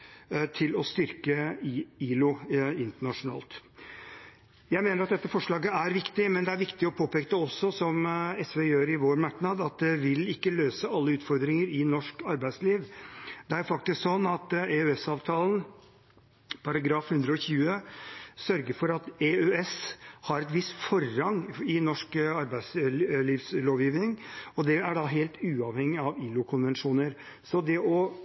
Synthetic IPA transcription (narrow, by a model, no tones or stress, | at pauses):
t̪ʰɪlɔst̪ʏɾkəiːlʊɪnt̪əɳɑʂʊnɑ̰ːlt̪ | jæɪmeːnɾɑt̪̚d̪ɛt̪ːəfɔʂɭɑːɡəæɾʋɪkt̪ɪmɛnd̪ɛæɾʋɪkt̪ɪɔpʰoːpɛːk̚t̪əɔsːɔsɔmɛsʋejøːɾɪʋoːɾmɑknɑd̪ɑt̪̚d̪ɛʋɪlɪkːəløːsəɑlːəʉːt̪fɔɾd̪ɾɪŋəɾɪnɔʂkɑɾbæɪsliːʋd̪ɛæɾfɑk̚t̪ɪsksɔnːɑt̪eœɛsɑːʋt̪ʰɑːln̩ | pʰɑɾɑɡɾɑːfhʉnd̪ɾəɔçʉːəsœɾɡəɾfɔɾɑt̪eøɛshɑɾɛt̪ʋɪst̪fɔɾːɑŋɪnɔʂkɑɾbæɪsliːʋsloːʋjiːʋnɪŋɔd̪ɛæɖɑɦeːlt̪ʉːɑʋhɛŋːɪɑʋiːlʊkʰʊnʋɛnʂuːnəɾ | sɔd̪ɛʔɔ